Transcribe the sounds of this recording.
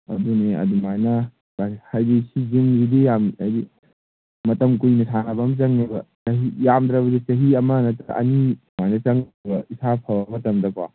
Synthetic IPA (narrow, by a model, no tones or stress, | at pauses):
ɐ̰duneɐ̰dumajnɐ | ahajdesid͡ʒimɡidejamajdi | mɐtɐmkujnɐsʰanɐbɐmt͡ʃɐŋnebɐ̰sɐɦijamd̪ɾɐbɐdit͡ʃɐɦiɐmɐnɐtɐʔɐ̰ni | majnɐt͡ʃɐŋbɐisʰapʰɐbɐmɐtɐmdɐkwa̰